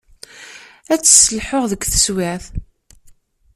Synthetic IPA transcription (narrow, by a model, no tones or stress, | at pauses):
æt͡sːsəlħʊʁðəɡʷθə̥swɪʕθ